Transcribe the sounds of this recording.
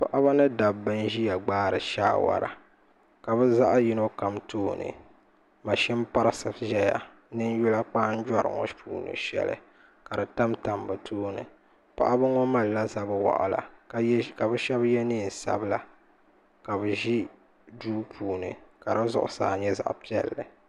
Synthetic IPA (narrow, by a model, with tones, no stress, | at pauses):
pa˦˨ʔa˦ba˦nɨ˦da˨bːɨ˦n˦ʒi˦ja˨ɡ͡baː˦ɾɨ˨ʃa̰ː˦wa̰˨ɾa̰˨ | ka˨bɨ˦za˦ʔji˦no˦ka˨mtʰoː˦nɨ̰˨ | ma˨ʃɪ˦m˦pa˦ɾɨ˦sɨ˨bʒɛ˦ja̰˨ | nɨ˦n˦ju˦la˦k͡paː˦n̩˦d͡ʒa˦ɾɨ̰˨ŋɔ̰˦pʰuː˦˨nɨ̰˨ʃɛ̰˦lɨ̰˨ | ka˨dɨ˨ta˦mta˨mbɨ˨tʰoː˦nɨ̰˨ | pa̰˦ʔa˦bɨ˦ŋɔ˦ma˦˨lla˦za˦bɨ˦wa̰˨ʔʊ˨la̰˨ka˨bɨ˦ʃɛ˦bjɛ˦nɨ˦˨n̩˨sa̰˦bla˨ | ka˨bɨ˨ʒi˦ | duː˦pʰuː˨nɨ˨ka˨ɾɨ˦zʊ̰˦˨ʔʊ˨sa̰ː˦˨ɲɛ˦za̰˨ʔpi˦ɛ˨lːɨ˨